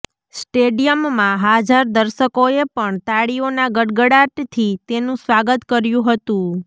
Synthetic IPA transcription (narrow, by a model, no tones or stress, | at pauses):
sʈeɖijəmːãɦad͡ʒaɾd̪əɾʃəkoepəɳt̪aɽionaɡəɖɡəɽaʈt̪ʰit̪enũsʋaɡət̪kəɾjũɦət̪ũ